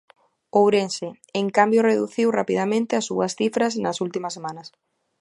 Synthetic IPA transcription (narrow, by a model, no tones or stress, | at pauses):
owɾense | eŋkambjoreðuθiwrapiðamẽnt̪ɪasːuɐsθifɾɐs̬nɐsult̪imɐsːemanɐs